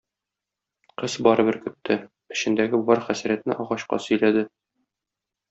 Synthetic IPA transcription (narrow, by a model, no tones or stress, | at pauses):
qɤzbɒɾɤ̆bɘɾkɵ̆t̪ːɘ | ɘ̆ɕɘ̆nd̪æɡɘbɒɾχæsæɾæt̪nɘʔɒʁɑɕqɑ̰sɵ̆jlæd̪ɘ